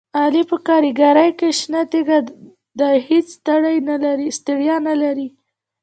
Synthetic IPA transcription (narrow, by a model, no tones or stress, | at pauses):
ɑlipəkɑɾiɡaɾajkeʃnat̪eɡa | d̪əhet͡sst̪aɽajnalaɾist̪ɪɽjɑnalaɾi